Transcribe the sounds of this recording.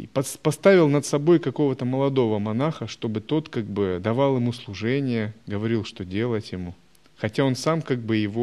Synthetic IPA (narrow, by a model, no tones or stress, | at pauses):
pɐspɐst̪avʲɪlˠnət̪sɐbo̞jkɐko̞vət̪əməlˠɐd̪o̞vəmɐnaxəʂt̪o̞bɨt̪o̞t̪kaɡ̚bɨd̪ɐvɑlˠjɪmuslˠʊʐɛnʲɪjəɡəvɐɾʲilˠʂt̪o̞dʲe̞lˠətʲjɪmu | xɐtʲao̞nsamkaɡ̚bɨjɪvo